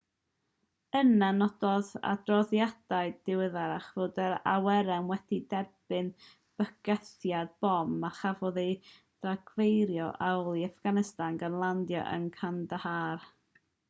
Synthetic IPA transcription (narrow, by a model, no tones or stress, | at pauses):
ənanɔdɔða̰drɔðjad̥aɨdɪwɪðaɾaχvoːdəɾa̰wɛɾɛmwɛd̥idɛrb̥ɨn | b̥əɡ̥ɛθjadb̥ɔmːaχavɔðe | d̥raɡ̥vejɾjɔʔawlˠiafɡ̥anɪstanɡanlˠandjɔ̰ʔə̰nkʰandəhar